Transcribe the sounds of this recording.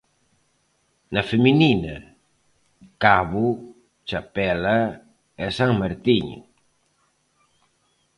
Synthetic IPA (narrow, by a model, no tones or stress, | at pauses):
nafemininɐ̰ | kaβu | t͡ʃapɛla | ɛsaŋmaɾt̪iɲ